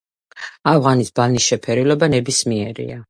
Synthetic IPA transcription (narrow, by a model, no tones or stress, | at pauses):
avʁanisbanisʃɛpʰɛɾilɔbanɛbismiɛɾḭa